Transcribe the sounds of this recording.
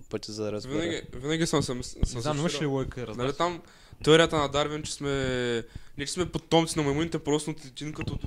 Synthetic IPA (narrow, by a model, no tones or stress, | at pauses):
pət̪ʲizɐɾɛvinaɡʲivinaɡʲisɐmsɐmssɐd̪aimʃliwɔjkəɾɐznɐlit̪am | t̪ɛɔɾijət̪ɐnɐd̪aɾvɛnt͡ʃɛ̥smɛ | nɛt͡ʃɛ̥smɛpot̪ɔmt̪sinɐmɐmunit̪ɛpɾɔst̪t̪it̪ʲinkɐt̪o